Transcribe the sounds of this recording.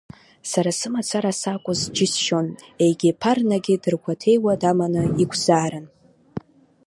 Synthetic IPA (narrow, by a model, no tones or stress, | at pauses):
saɾasɨmat͡sʰaɾasakʷʼʊzd͡ʒɪsʃo̞nejɡʲipʰarnaɡʲɪdɨrkʷʰatʰe̞jwadamanɨiɡʷʰz̥aːɾan